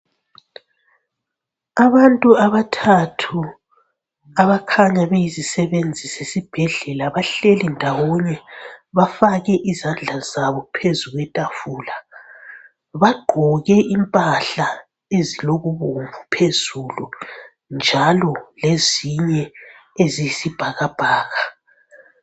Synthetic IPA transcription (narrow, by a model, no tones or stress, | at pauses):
aβantʼuaβatʰatʰu | aβakʰaɲaβejizisɛβend͡zʱisesib̥ʱɛɮɛlaβaɬelindʱawɔɲɛβafaɣɛʔizand͡ɮʱazaβɔpʰezuɣwɛtʼafuːla | βaɡ͡ǃ̥ʱɔɣɛʔimpʼaɬa | eziloɣuβomvʱupʰezulu | nd͡ʒʱalɔleziɲɛezijsib̥ʱaɣab̥ʱaːɣa